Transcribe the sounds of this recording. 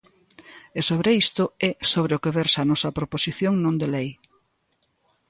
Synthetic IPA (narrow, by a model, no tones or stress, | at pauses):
esoβɾeist̪ʊɛsoβ̞ɾeokeβɛɾsanɔsɐpɾoposiθjoŋnõnd̪elej